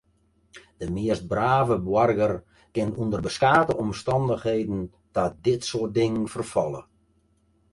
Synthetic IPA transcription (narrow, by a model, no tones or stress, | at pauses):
d̥əmɪəst̚braːvəbwɔrɡər | kɪntundərbəskaːtəʔɔmstɑndəxheːdən̩ | d̥ɔt̚dɪtsoət̚dɪŋənfərfɔlˠə̰